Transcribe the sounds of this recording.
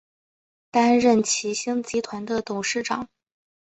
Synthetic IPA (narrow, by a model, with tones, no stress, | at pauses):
t̪a˥nɻə˥˩nt͡ɕʰi˧˥ɕi˥ŋt͡ɕi˧˥t̪ʰwa˧˥nd̪ə˧t̪ʊ˨˩ŋʂɻ̩˥˩ʈ͡ʂɑ̰˨˩˦ŋ